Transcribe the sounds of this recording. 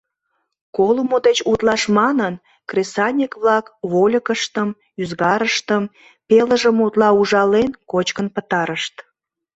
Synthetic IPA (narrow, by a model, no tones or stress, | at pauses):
kolumod̪et͡ɕut̪lɑʃmɑnən | kresɑnʲekβlɑkβolʲəkəʃt̪əm | yzɣɑɾəʃt̪əm | peləʒəmut̪lɑuʒɑlenkot͡ɕkənpət̪ɑɾəʃt̪